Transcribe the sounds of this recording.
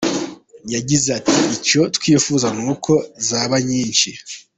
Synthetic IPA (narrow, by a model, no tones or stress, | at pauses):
jaɟizeatʰiico̞tkwiːfuzanuːkʰo̞zaːβaɲiːnt͡ʃi